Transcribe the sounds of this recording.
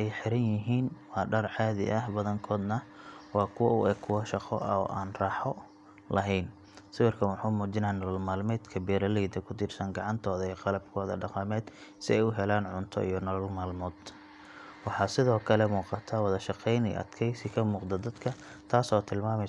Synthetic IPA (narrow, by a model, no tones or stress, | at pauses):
ʔɛjħɪɾɐnjɪɦiːnwɑːɖɐrʕaːðɪ̰ʔɐɦbɐðɐŋkʰɔːd̪nɐwɑːkʰʊwɐʔʊɛkʰʊwɐʃɑqɔ̰ʔɐɔ̰ːʔaːnrɑːħɔ | lɐɦɛjn | sɪwɪrkʰɐnwɑħuːmuːt͡ʃɪnaːnɐlɔlmaːlmɛːd̪kʰɐbiːɾɐlɛjd̪ɐkʰʊd̪ɪrsɐŋɡɑʕɑnt̪ʰɔːðɐiːqɑlɐb̚kʰɔːðɐ̰ɖɑqɑmɛːd̪sɪ̰ɛjʊɦɛlaːnʕʊnt̪ʰɔ̰ʔḭjɔnɐlɔlmaːlmɔːd̪̥ | wɑħɑːsɪðɔːkʰɐlɛmuːqɑt̪ʰawɐðɐʃɑqɛjnḭjʔɐ̰d̪̥kʰɛjsɪkʰɐmuːqd̪ɐd̪ɐd̪kʰɐ | t̪ʰaːsɔt̪ʰɪlmaːmɛ